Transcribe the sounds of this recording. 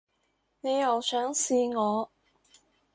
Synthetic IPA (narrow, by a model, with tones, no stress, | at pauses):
ne˨˧jjɐ˨wsœː˨˥ŋsiː˧ŋɔː˨˧